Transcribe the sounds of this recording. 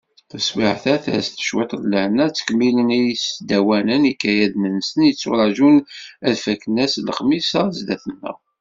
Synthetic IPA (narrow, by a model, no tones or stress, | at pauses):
t̪ːəswiʕθæθæ̰sθə̥ʃwit̪ˤlːəhnæt͡sːə̥kmilənijsd̪æwænənikːæjæðmənːsənjət͡sːʊ̰ɾæʒunæðfæknːæsləχmisɑzd̪æθənːə̰ʁ